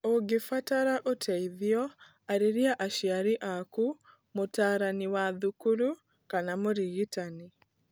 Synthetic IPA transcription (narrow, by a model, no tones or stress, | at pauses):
oɡefataɾaʔotʰɛiðiɔ | aɾeɾiaʔaʃiaɾiʔaku | motaːɾaniwaðukuɾu | kanamoɾiɣitani